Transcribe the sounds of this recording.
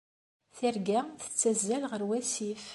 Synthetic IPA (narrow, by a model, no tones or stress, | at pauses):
θiɾɡæθə̥t͡sːæzːælʁəɾwæsif